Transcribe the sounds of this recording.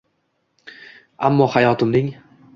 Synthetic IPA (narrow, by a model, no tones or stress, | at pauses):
amːɒhajɒt̪ʰɪmnɪŋ